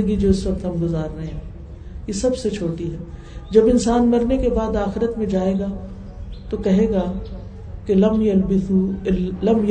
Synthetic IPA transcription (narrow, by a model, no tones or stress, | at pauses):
əɡid͡ʒoːɪsʋɐk̚t̪ɦɐmɡʊzaːɾːɐɦẽɦɛ̃ː | jesɐbset͡ʃʰoːʈiɦɛː | d͡ʒɐbɪnsaːnmɐɾnekebaːd̪aːxɪɾət̪mẽd͡ʒaːeːɡaː | t̪okɐɦeːɡaː | kelɐmjɐlbɪulɐmj